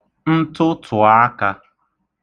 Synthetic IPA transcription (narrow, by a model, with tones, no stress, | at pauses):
n̩˦tʊ˦tʰʊ˨a˦ka˦